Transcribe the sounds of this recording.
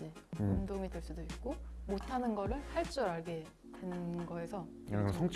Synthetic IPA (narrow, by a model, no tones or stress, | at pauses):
d͡ʑeundoŋidweɭs͈udoik̚k͈omotʰanɯnɡʌɾɯɭhaɭt͡ɕ͈ʌɾaɭɡe̞ | dwenɯnɡʌesʰʌ | sʰʌŋt͡ɕʰ